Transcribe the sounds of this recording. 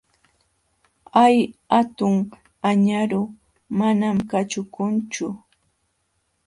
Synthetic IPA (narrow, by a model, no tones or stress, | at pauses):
ajat̪ʊŋ | aɲaɾʊ | manamkat͡ʃʊkʊnt͡ʃʊ